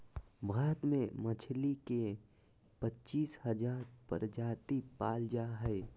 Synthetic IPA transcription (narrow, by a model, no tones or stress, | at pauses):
bʱaːɾət̪mẽmət͡ʃʰlike | pətːt͡ʃiːshəd͡ʒaːɾpə̰ɾd͡ʒaːt̪ipaːld͡ʒaɦɛ